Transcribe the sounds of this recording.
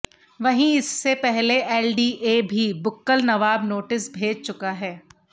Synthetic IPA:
ʋɐɦĩɪsːepɛɦleʔɛːlɖiːʔeːbʱibʊkːəlnɐʋaːbnoːʈɪsbʱeːd͡ʒt͡ʃʊkaɦɛː

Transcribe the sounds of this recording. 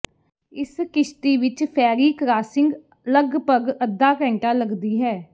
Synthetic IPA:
ɪskɪʃt̪iːʋɪt͡ʃpʰɛːɾiːkɾaːsɪ̃ŋɡ | ləɡpəɡəd̪ːaːkɛ̃ːɳʈaːləɡd̪iːɦɛː

